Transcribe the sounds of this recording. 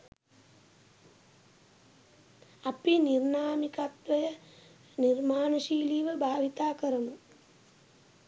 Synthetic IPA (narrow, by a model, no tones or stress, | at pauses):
apinirnaːmikat̪ʋəjə | nirmaːnəʃiːliːʋəbʱaːʋit̪aːkəɾəmu